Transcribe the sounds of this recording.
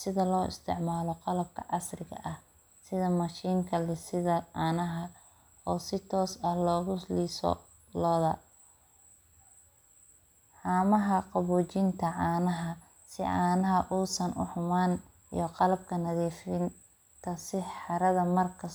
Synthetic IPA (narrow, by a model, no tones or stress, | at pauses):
sɪðɐlɔːɪ̰st̪ʰɪ̰ʕmaːlɔqɑlɐb̚kʰɐ̰ʕɑ̰srɪɣɐ̰ʔɐh | sɪðɐmɐʃiːŋkʰɐlɪsɪðɐʕaːnɐɦɐ | ɔːsɪt̪ʰɔːsɐhlɔːɣʊliːsɔ̰ | lɔːðɐ | ħaːmɐɦɐqɑβuːt͡ʃɪnt̪ʰɐʕɑːnɐɦɐ | sɪ̰ʔaːnɐɦɐʔuːsɐnʔʊħʊmaːn | ḭjɔqɑlɐb̚kʰɐnɐðiːfɪn | t̪ʰɐsɪħɑɾɐðɐmɐrkʰɐ